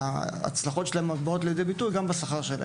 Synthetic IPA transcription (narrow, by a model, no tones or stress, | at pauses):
aa̰t͡slaχo̞tʃelaemːavbao̞t̪aljede̞jbitujɡambasaχaʁʃela̰